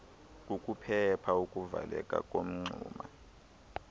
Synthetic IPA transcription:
kʼukʼupʰɛpʰaukʼuvalɛkʼakʼom̩ŋ͡ǀʱuːma

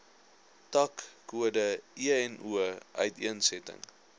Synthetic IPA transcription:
tɐkːuədəiəɛnuəʔœ̰ɥtiənsɛtə̰ŋ

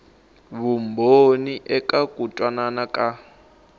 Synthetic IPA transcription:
βumboniʔɛkʼakutʼwananakʼa

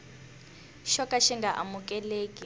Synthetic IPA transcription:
ʃɔkʼaʃiŋɡaʔa̰mukʼɛleːkʼi

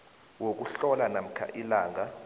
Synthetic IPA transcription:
wok̬ʼuɬɔlanam̩kʰa̰ʔilaːŋa

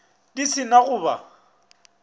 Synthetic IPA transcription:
disɪnaɣʊːba̰

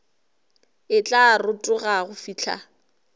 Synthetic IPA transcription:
ɪt͡ɬʼarʊtʼʊɣaɣʊfiːt͡ɬʰa̰

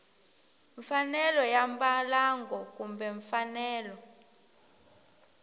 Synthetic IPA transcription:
ɱfanɛlɔjambalaŋɡɔkumbɛɱfanɛːlɔ

